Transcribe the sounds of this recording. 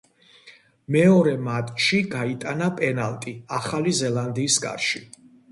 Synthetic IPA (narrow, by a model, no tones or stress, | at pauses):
mɛɔɾɛmat̪ʼʃiɡait̪ʼanapʼɛnalˠt̪ʼiaχalizɛlˠand̪iːsɡa̰ɾʃi